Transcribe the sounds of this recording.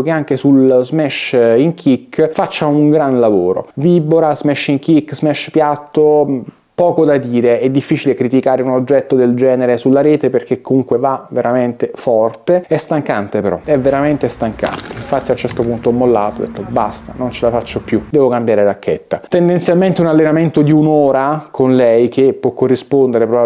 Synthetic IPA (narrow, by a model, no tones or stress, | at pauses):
keaŋk̟esulzmɛʃiŋkʰikːfat͡ʃːauŋɡɾanlavoːɾo̰viboɾazmɛʃiŋk̟ikːzmɛʃpjat̪ːo | pɔːkod̪ad̪iːɾeɛd̪ːifːiːt͡ʃilekɾit̪ikaːɾeunod͡ʒːɛt̪ːod̪eld͡ʒɛːneɾesulːaɾeːt̪eperkekːomuŋkwevaveɾament̪efɔrt̪eɛst̪aŋkant̪epeɾɔ̰ɛvːeɾament̪est̪aŋka̰nt̪eiɱfat̪ːiawnt͡ʃɛrt̪opunt̪oɔmːolːa̰ːt̪oɔd̪ːḛt̪ːobast̪anont͡ʃelafat͡ʃːopjud̪ɛːvokambjaːɾeɾakːḛt̪ːat̪end̪ent̪sjalment̪eunalːenament̪od̪iunoːɾakʰonlɛjkepːwɔkːorːispond̪eɾepɾo